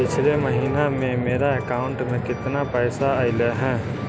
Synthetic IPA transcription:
pɪt͡ʃʰleməɦiːnamẽmeːɾaekaːʊ̃ɳʈmẽkɪt̪napɛːsaaɪleɦɛ̃ː

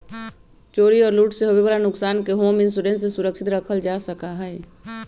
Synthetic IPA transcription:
t͡ʃoːɽiɔːɾluːʈseɦɐbebəɾanʊksaːnkeɦoːmɪ̃ns̬ʊɖẽnʈsesʊɾəkʃɪt̪ɾəkʰəld͡ʒaːsəkaɦɛː

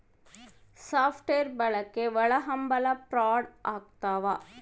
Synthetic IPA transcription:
saːfʈeːɾbɐɭɐkːeʋɐɭɐɦɐmbɐlɐpɾaːɽʔaːk̚t̪aːʋaː

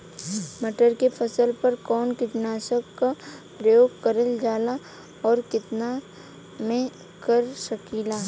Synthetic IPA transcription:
məʈəɾkepʰɐsəlpɐɾkɔːnkɪʈnaːʃəkːapɾəjoːɡkɐɾəld͡ʒaːla | ɔːɾkɪt̪na | mẽ | kəɾsəkiːlaː

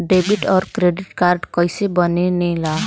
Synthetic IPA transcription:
ɖebiʈɔɾkɾeɖiʈkaɾɖkɔjsebɔnenela

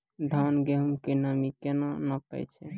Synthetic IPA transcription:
d̪ʱanɡeɦəmkenəmikenonəpɛ̰jt͡ʃʰɛ

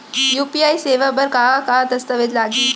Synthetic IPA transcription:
juːpiajseʋabəɾkakat̪əst̪əʋet̪laɡiː

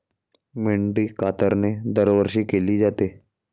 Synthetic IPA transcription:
mɪɳɖiːkaːt̪əɾned̪əɾʋəɾʃiːkeliːd͡ʒat̪eː

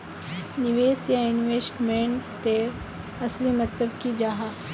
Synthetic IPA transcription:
nɪʋeːsjaɪnʋeːsʈmẽɳʈt̪e | ɐslimɐt̪ləbkid͡ʒaːɦa

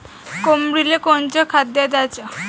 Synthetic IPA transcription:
komɾilekont͡ɕəkʰad̪jad̪at͡ɕa

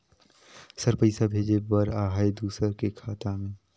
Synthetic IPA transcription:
səɾpəɪsabʱeːd͡ʒebəɾaːɦaed̪uːsəɾkekʰaːt̪amẽː

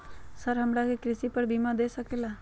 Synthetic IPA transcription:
səɾɦəmɾakekɾɪsipəɾbimãd̪esəkela

